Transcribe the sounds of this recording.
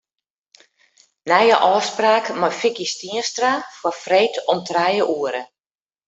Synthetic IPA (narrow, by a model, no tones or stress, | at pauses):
nɛjəʔɔːspraːkmɔjfɪkistiəstrafɔrfreːtʰɔmtʰrajəʔuəɾə